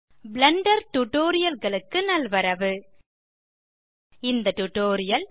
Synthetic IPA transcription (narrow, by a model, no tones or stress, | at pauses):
blɐɳɖɐɾʈʊʈːoːɾɪjɐlɣɐɭɯkːɯnɐlʋɐɾɐʋɯ | ɪnd̪ɐʈʊʈoːɾɪjɐl